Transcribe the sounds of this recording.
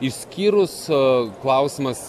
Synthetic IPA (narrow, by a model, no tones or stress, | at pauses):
isʲkʲiːɾʊsklˠɐˑʊsʲɪmɐs